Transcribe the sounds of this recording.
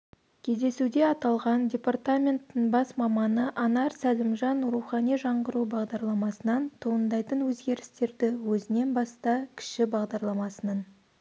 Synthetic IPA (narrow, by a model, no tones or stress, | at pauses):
kʲʰe̞zd̪e̞sud̪e̞ɑt̪ɑlˠʁɑndʲe̞part̪amʲe̞nt̪ːɪŋbɑsmɑmɑnəʔɑnɑɾsælɪmʒɑnɾuχɑnijʒɑɴʁəɾubɑʁd̪ɑɾlˠɑmɑsənɑnt̪ʰuənd̪ɑjt̪ənwɵzɡʲe̞ɾɪst̪e̞ɾd̪ɪwɵzɪne̞nbɑst̪ɑkʲʰɪ̥ʃɪbɑʁd̪ɑɾlˠɑmɑsənɑn